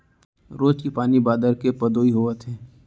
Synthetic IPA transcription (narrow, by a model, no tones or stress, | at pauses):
ɾoːd͡ʒkipaːnibaːd̪əɾkepəd̪oːiɦoːʋət̪ɦɛ̃ː